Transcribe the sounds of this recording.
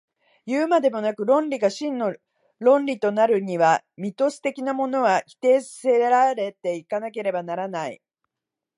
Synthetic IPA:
jɯːmad̪e̞mo̞nakɯ̟ɾõ̞nɾʲiɡaɕĩnːo̞ | ɾõ̞nɾʲit̪o̞naɾɯ̟ɲ̟iβa | mʲit̪o̞sɨ̥t̪e̞kʲinamo̞no̞βakʲi̥t̪e̞ːsse̞ɾaɾe̞t̪e̞ikanake̞ɾe̞banaɾanaḭ

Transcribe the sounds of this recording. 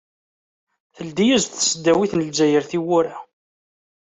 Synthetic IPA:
θəld̪ijæzθsəd̪ːæwiθnəld͡ʒæjəɾθiwʊɾæ

